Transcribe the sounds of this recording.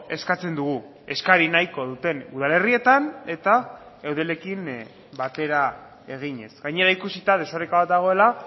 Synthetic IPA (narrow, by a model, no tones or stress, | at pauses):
e̞skat͡se̞nd̪uɣ̞u | e̞skaɾinajko̞ðut̪e̞nuð̞ale̞rie̞t̪ane̞t̪a | ewðele̞kin | bat̪e̞ɾa | e̞ɣ̞iɲe̞sɡaɲe̞ɾaikusit̪að̞e̞soɾekaβat̪̚d̪aɣ̞o̞e̞la